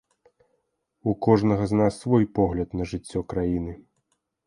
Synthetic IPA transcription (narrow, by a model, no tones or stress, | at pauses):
ukɔʐnɐɣɐznasːvɔjpɔɣlʲɐt̪nɐʐɨt͡sʲːɔkɾajinɨ